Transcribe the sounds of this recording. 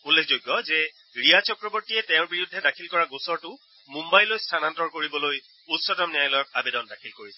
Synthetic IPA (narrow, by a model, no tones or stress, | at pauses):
unlːekʰzojɡːɔzɛ | ɹijat͡ʃɔkɹɔbɔɹtiɛtɛ̃ʊ̃ɹbiɹiudʱːɛdakʰilkɔɹaɡusɔɹtʊ | mumbajlojstʰanantɔɹkoɹibɔloj | utsɔtɔmniajlɔjɔk̚abedɔndakʰilkoɹisɛ